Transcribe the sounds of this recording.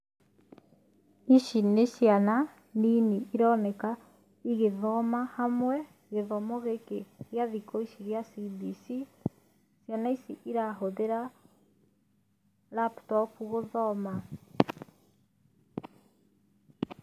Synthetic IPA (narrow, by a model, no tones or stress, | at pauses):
iʃineʃjana | niniiɾɔːnɛka | iɣeðɔmahamwɛ | ɣeðɔmɔɣekeɣjaðikɔiʃiɣjasibisi | ʃjanaisiʔiɾaɦoðeɾa | laptɔpuɣoðɔma